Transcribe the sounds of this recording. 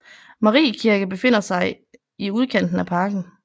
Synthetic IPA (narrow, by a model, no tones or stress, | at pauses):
mɑʁḭːkʰiɐɡ̥əb̥e̝fe̝n̰ɐsɑ̈ɪ | iuð̞ˠkʰen̰d̥n̩æpʰɑ̈ːɡ̥n̩